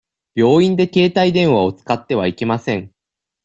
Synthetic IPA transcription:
b̥ʲjo̞ːĩnd̪e̞ke̞ːt̪aid̪ẽ̞ɰ̃βao̞t͡sɨ̥kat̪ːe̞βaike̞masẽ̞ŋ

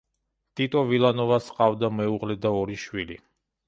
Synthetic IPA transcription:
t̪ʼit̪ʼɔvilˠanɔvasqʼavd̪amɛuʁlɛd̪aɔɾiʃwilḭ

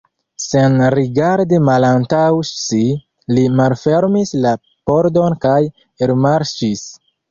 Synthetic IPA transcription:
senɾiɡaɾdimalantawsi | limalfe̞ɾmisla | po̞ɾdo̞nkaj | eɾmaɾt͡ʃis

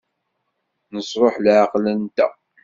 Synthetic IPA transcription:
nəsˤɾˤoħlʕəqlənt̪æ̰

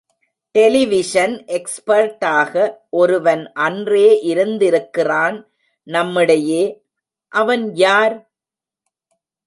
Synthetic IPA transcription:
ʈɛlɪʋɪʂɐnʔɛkspɐɾʈaːɣɐʔɔɾɯʋɐnʔɐndreːʔɪɾɯnd̪ɪɾɯkːɪraːn | nɐmːɪɽɐjeː | ʔɐʋɐnjaːɾ

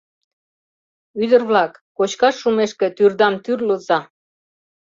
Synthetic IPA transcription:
yd̪ərβlɑkːot͡ɕkɑʃːumeʃkĕt̪yrd̪ɑmt̪yrlozɑ

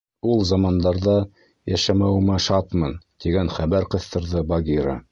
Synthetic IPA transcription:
ulˠzɑmɑnd̪ɑɾðɑ | jæʃæmæwmæʃɑt̪mɤnt̪iɡænχæβæɾqɤ̆θt̪ɤ̆ɾðɤbɑɡʲiɾa̰

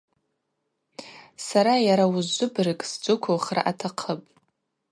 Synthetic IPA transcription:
saɾajaɾawʊzːʊbrɨkʼsd͡zʷʊkʷʰowχra̰ʔatʰaqʰəpʼ

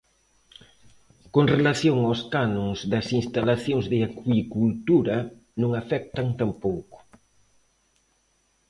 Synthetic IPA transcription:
koŋrelaθjoŋawskanõŋzðɐsinst̪alaθjoŋzðɪakwikult̪uɾɐ | nõŋafɛk̚t̪aŋt̪ampowkʊ̥

